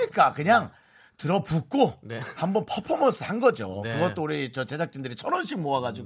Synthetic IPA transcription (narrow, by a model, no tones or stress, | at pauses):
ɲik͈akɯɲaŋ | tɯɾʌpuk̚k͈onhambʌnpʰʌpʰʌmʌs͈ɯhanɡʌd͡ʑo̰kɯɡʌtt͈ouɾit͡ɕʌt͡ɕe̞d͡ʑak̚t͡ɕ͈indɯɾit͡ɕʰʌnʌnɕ͈ʰikmoaɡad͡ʑiɡ